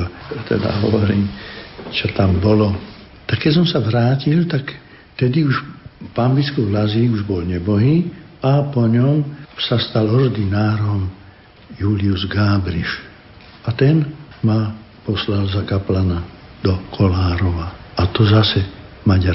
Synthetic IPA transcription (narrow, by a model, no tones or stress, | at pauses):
t̪ɛ̰d̪a̰ɦɔ̰ʋɔɾiːmt͡ʃɔt̪ambɔlɔ | t̪akkːɛs̬ɔmsaʋɾaːcilt̪ak | t̪ɛd̪iuʃpambit͡skɔlaziuʒbɔlɲɛbɔɦiːapɔɲɔmsast̪alɔrd̪inaːɾɔm | juːliuzɡaːbɾiʃ | at̪ɛnma | pɔslalzakaplanad̪ɔkʰɔlaːɾɔʋaat̪ɔzasɛ | maɟa